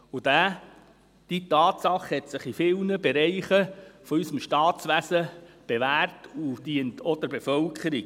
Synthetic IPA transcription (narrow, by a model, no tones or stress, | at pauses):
ud̥æː | d̥itɑːtsɑχhɛt̪sɪχifɪlnəbeɾɛɪχəfɔysəmʃtɑːtt͡sʋæsəb̥eʋæːɾtʰud̥iəntʰɔd̥ɛɾbefœlkʰəɾi